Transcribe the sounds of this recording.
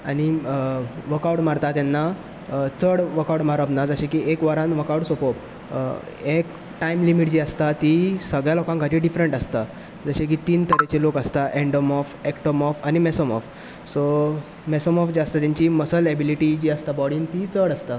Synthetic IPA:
aɽ̃i | ʋəkawɽmaɾt̪at̪janːa | t͡səɽʋəkawɽmaɾəbnad͡zəɕekiːʔekʋaɾãnʋəkawɽsopop | ek | ʈaimlimiʈ̚d͡ʑiːəst̪at̪isəɡɭjalɔkãŋkaʈiːɖifɾeɳʈəst̪a | d͡zəɕek̬iːt̪iːnt̪əɾet͡ɕelokəst̪aʔẽɳɖəmɔfekʈomɔfañimɛsɔmɔf | so | mɛsɔmɔfd͡ʑiəst̪at̪ãɲt͡ɕiməsəlɛbiliʈid͡ʑiːəst̪abɔɽiːnt̪it͡səɽəst̪a

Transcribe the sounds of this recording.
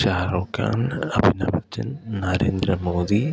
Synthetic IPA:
ʃaːɾoːkːa̰ːnɐbʱinɐ̰bɐt͡ʃːɐnnɐɾeːnd̪ɾɐmoːd̪i

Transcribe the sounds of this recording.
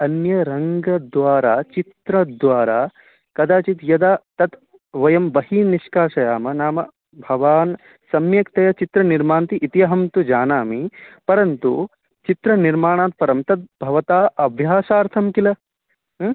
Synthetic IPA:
ɐnjɐɾɐŋɡɐd̪ʋaːɾaːt͡ʃit̪ɾɐd̪ʋaːɾaː | kɐd̪aːt͡ʃit̪jɐd̪aːt̪ɐt̪ | ʋɐjɐmbɐɦiːniʃkaːʃɐjaːmɐnaːmɐ | bʱɐʋaːn | sɐmjɐkt̪ɐjɐt͡ʃit̪ɾɐniɾmaːnt̪iʔːt̪ijɐɦɐmt̪ud͡ʒaːnaːmipɐɾɐnt̪u | t͡ʃit̪ɾɐniɾmaːɳ̃aːt̪̚pɐɾɐmt̪ɐt̪̚bʱɐʋɐt̪aːɐbʱjaːʃaːɾt̪ʰɐmkilɐ

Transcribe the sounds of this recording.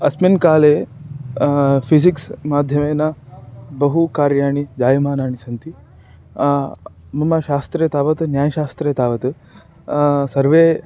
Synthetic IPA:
ɐsminkaːleː | pʰisiksmaːd̪ʱjɐmeːnabɐɦukaːɾjaːɳid͡ʒaːjɐmaːnaːɳisɐnt̪i | mɐmaʃaːst̪ɾeːt̪aːʋɐt̪ɨnjaːjɐʃaːst̪ɾeːt̪aːʋɐt̪ɨ | sɐɾʋeː

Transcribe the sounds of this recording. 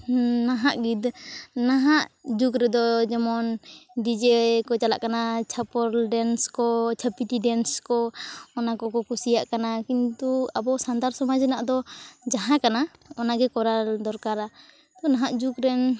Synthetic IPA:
naɦaʔɡid̪naɦaʔd͡ʒukɾɛd̪ɔd͡ʒɛmɔnɖid͡ʒekɔt͡ʃala̰ʔkanat͡ʃʰapɔɾɖɛnskɔt͡ʃʰapiʈiɖɛnskɔːnakɔkɔkusijaʔkanakint̪uabɔsand̪aɾsɔmad͡ʒnaʔd̪ɔd͡ʒaɦãkanaɔnaɡɛkɔɾad̪ɔɾkaɾa | t̪ɔnaɦaʔd͡ʒukɾɛn

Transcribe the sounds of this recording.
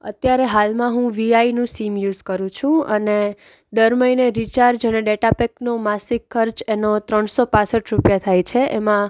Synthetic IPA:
ə̰t̪jaɾeɦalmãɦũʋiainũsimjuzkəɾũt͡ʃʰũəne | d̪əɾməineɾit͡ʃaɾd͡ʒəneɖeʈapeknomasikʰːəɾd͡ʒenot̪ɾəɳsopãsəʈɾupjat̪ʰajt͡ʃʰeʔemã

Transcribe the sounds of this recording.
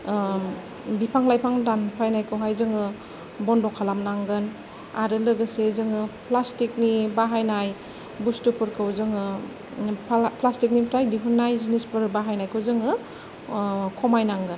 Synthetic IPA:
bipʰaŋlajpʰaŋdanpʰajnajkʰɯwɦajzɯŋɯ | bɔndɔkʰalamnaŋɡɯn | aɾɯlɯɡɯsezɯŋɯpʰlastik̚nibaɦajnaj | bustupʰɯɾkʰɯwzɯŋɯ | pʰlastik̚nipʰɾajdiɦunːajzinispɯɾbaɦajnajkʰɯzɯŋɯ | kʰɔmajnaŋɡɯn

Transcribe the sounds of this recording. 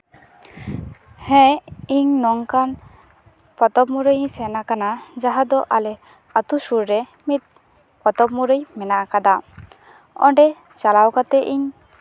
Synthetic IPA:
hɛ̃iɲnɔŋkan | pɔt̪ɔbmuɾəjsɛnakanad͡ʒaɦad̪ɔʔalɛ | at̪usuɾɾɛ | mit̪̚ | pɔt̪ɔbmuɾəjmɛnakad̪a | ɔ̰ɳɖɛ | t͡ʃalawkat̪ɛʔiɲ

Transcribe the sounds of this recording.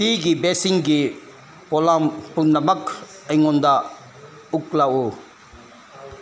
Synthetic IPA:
siːkibesiŋɡi | polampunːɐmɐkʰː | ɐŋond̪a | uklao

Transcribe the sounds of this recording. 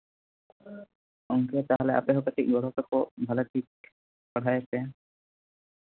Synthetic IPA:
ɔŋket̪aɦoleʔa̰peɦokaʈʰiɡɔɽ̤ot̪ɔkobʱaleʈ̪ʰik̚ | paɽʰʱajt͡ɕʰe

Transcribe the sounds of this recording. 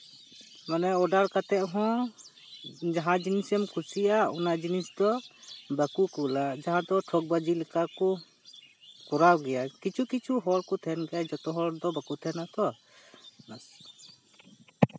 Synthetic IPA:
manɛɔɖaɾkat̪ɛʔ̪̚ɦɔ̃ | d͡ʒaɦãd͡ʒinisɔmkʰusijaɔnad͡ʒinisd̪ɔbakukulad͡ʒaɦãd̪ɔʈʰɔk̚bad͡ʒilɛkakɔ | kɔɾawɡɛjakit͡ʃʰukit͡ʃʰuɦɔlkɔt̪ʰɛnɡɛjad͡ʒɔt̪ɔɦɔɾd̪ɔbakut̪ʰɛnat̪ɔ | nas

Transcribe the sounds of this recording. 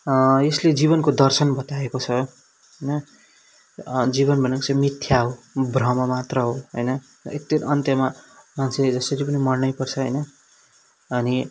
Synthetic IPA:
jesled͡ziβʌnkod̪ʌrsʌnbʌt̪aekot͡sʰʌ | ɦʌjnʌ | d͡ziβʌnbʱʌnekot͡sʰʌmit̪ʰjaɦobrʌmamat̪rʌɦoɦojnʌ | ek̚t̪ʌnʌnt̪jʌmamansʰed͡zʌsʌɾipʌnimʌrnʌjpʌrt͡sʰʌɦʌ̰jnʌ | ʌni

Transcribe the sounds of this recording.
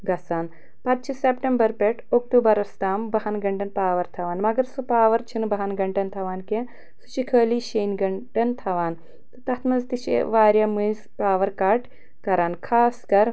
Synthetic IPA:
ɡɐsaːn | pɐt̪̚t͡ʃʰisepʈembɐɾpeʈʰok̚ʈuːbɐɾɐst̪aːmbɐɦɐnɡɐɳʈɐnpaːʋɐɾt̪ʰɐʋaːnmɐɡɐɾsupaːʋɐɾt͡ʃʰinbɐɦɐnɡɐɳʈɐnt̪ʰɐʋaːnkẽ | su̥t͡ʃikʰɐːliːʃeːnɡɐɳʈɐnt̪ʰɐʋaːn | t̪ɨt̪ɐt̪ʰmɐzt̪it͡ʃḭʋaːɾjɐːmɨjzpaːʋɐɾkaːʈ | kɐɾaːnkʰaːskɐɾ

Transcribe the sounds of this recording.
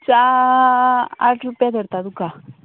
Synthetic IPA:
t͡sa | aʈʰɾupjad̪ʱəɽt̪ad̪uka

